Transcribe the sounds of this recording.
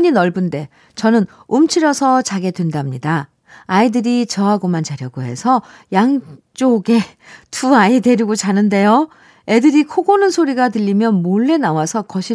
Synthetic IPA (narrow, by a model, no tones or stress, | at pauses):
ɲinʌɭbɯnde̞ | t͡ɕʌnɯn | umt͡ɕʰiɾjʌsʰʌt͡ɕaɡe̞dwendamɲidaː | idɯɾit͡ɕʌɦaɡomant͡ɕaɾjʌɡoɦe̞sʰʌjaŋt͡ɕ͈oɡe̞ | tuaide̞ɾiɡot͡ɕanɯnde̞jo | e̞dɯɾikʰoɡonɯnsʰoɾiɡatɯʎːimjʌnmoɭːe̞nawasʰʌkʌɕʰi